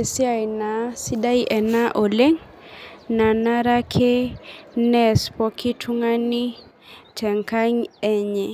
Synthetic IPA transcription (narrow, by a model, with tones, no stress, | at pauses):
e˨si˦a˦˨jna˨si˦da˦iʔɛ˨na˦ʔo˨le˦ŋ | na˨na˦ɾa˦kʰe˦nɛ˦spɔ˦kʰi˦tʰu˦ŋa˦ni˦ | tʰɛ˨ŋka˦ɲɛ˦ɲɛ˨